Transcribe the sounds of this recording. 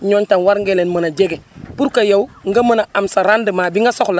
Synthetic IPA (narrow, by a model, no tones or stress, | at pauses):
ɲontanwaɾŋɡelenmənad͡ʒeɡepuɾkajowŋɡamənaamsaɾandəmaːbiŋɡasokla